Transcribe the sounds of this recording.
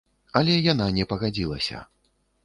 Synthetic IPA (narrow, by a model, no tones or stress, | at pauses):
ɐlʲɛjananʲɛpɐɣad͡zʲilˠɐ̰sʲɐ̰